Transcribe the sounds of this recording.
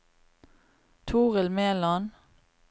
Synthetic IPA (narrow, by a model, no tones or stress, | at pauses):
t̪ʰuːʁəlmeːlɑn